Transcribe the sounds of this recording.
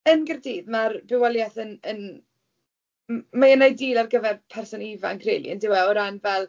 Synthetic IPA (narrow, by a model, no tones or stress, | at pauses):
ənɡərdiːðmarbɪwɛlˠjaθənən | majənajdiːlˠarɡəvɛrpʰɛrsɔniva̰nkʰrḛjlḭəndɪwɛlɾanvɛlˠ